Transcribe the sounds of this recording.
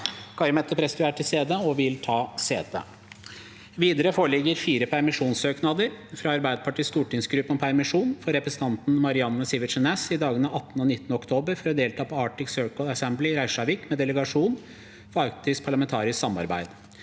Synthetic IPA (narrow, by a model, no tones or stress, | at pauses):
kʰɑɾmɛt̪ːəpʰɾɛsd̪ʉæːʈʰɪlst̪eːd̪əɔʋɪlt̪ʰɑːsḛːd̪ə̰ | ʋiːd̪əɾəfoːɭɪɡːəɾfiːɾəpʰæɾmɪʂuːnsøːknɑd̪əɾfɾɑɑɾbæɪd̪əpʰɑʈiːst̪uːʈɪŋsɡɾʉpːɔpʰæɾmɪʂuːnfɔɾɛpɾəsən̩t̪ɑnt̪n̩mɑɾɪɑnːəsɪʋɪʂɛnɛsɪd̪ɑːɡənɑʔɑt̪ːnɔnɪt̪ːənəɔkt̪ʰoːbəɾfɔɾɔd̪eːlt̪ʰɑːpʰɔɑːʈɪksøːɹkəlɑsɛmblɪɾæɪʂɑʋɪkmɛd̪ɛləɡɑʂuːn | fɔɑkt̪ɪspʰɑɭɑmɛnt̪ʰɑːɾɪsksɑmɑ̰ɾbæ̰ɪd̪